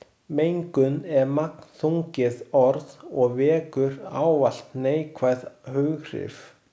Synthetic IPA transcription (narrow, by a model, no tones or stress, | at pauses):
mejŋkʏnɛɾmakn̥θuŋcɪðɔɾðɔɣvɛːkʏɾa̰ːwval̥t̪neːjkʰvajðhœɣr̥ɪ̰f